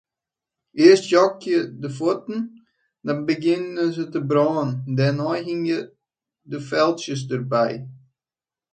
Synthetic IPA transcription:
ʔɪəstjɔkjədəfotn̩ | dɔnbəɡɪnəzətəbrɔːəndɛnɔjɦɪŋjə | dəfɛlˠtsjəs̬dərbɛj

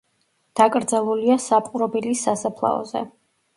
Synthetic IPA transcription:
d̪̥akʼɾd̪zalˠuliasapʼqʼuɾɔbilisasapʰlˠa̰ɔ̰zɛ̰

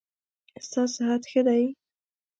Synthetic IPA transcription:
st̪ɑsɪɦat̪xəd̪aj

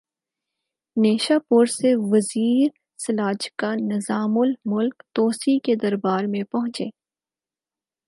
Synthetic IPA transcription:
neːʃaːpʊɾseʋɐziːɾ | sɐlaːd͡ʒkanɪzaːmʊlmʊlkt̪oːsiked̪ɐɾbaːɾmẽpɐɦʊ̃t͡ʃeː

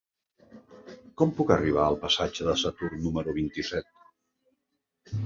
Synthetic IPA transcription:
kɔmpukəriβ̞aəlˠpəsad͡ʒəðəsət̪urnuməɾuβint̪isɛt̪̚

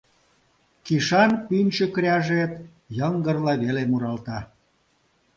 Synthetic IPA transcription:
kiʃɑnpynʲt͡ɕə̆kɾʲɑʒet̪ | jəŋɡərlɑβelemuɾɑlt̪ɑ

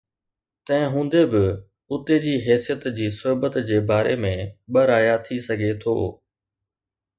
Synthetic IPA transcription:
t̪ɐ̃ɦɪ̃ɦũːn̆d̪ebɪ | ʊt̪ed͡ʑiːɦɛːsijət̪d͡ʑiːsʊɦbət̪d͡ʑeːbaːɾemẽɓɐɾaːjat̪ʰisɐɡʱet̪ʰo̰ː

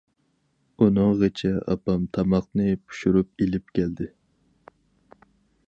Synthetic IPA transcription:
unɨŋʁet͡ʃʰɛɑ̰pɑmt̪ʰɑmɑq̚nɨpʰu̥ʃuɾup̚elɪp̚kʲʰɛld̪ɪ

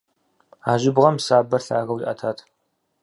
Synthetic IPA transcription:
aːʒɪbʁɐmsaːbɐrɬa̰ːɣɐwiʔɐtʰaːtʰ

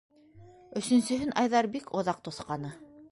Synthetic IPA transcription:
ɵ̆sɵ̆nsɵ̆ɦɵnʔɑjðɑɾbikʰŏðɑq̚t̪ŏθqɑnɤ

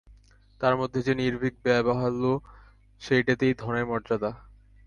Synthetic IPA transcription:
t̪aɾmod̪ʱːed͡ʑeniɾbʱik̚bɛboɦalo | ʃejʈat̪ejd̪ʱɔnemɔɾd͡ʑad̪a

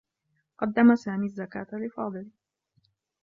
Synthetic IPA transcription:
qɑd̪ːamasaːmiːazːakaːt̪alɪfɑːd̪ˤɨl

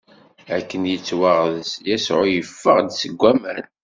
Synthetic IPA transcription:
ækːənjət͡sːwəʁðsjæsʕʊjəfːəʁd̪səɡʷːæməɾn

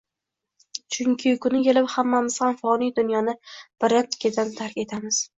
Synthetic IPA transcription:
t͡ʃʰʊŋkʲʰɪkʰʊnɪkʰʲe̞lɪphamːamɪz̥hamfɒnijd̪ʊnjɒnɪb̥ɪɾat̪kʲʰɪd̪ant̪ʰaɾkʲe̞t̪ʰamɪz̥

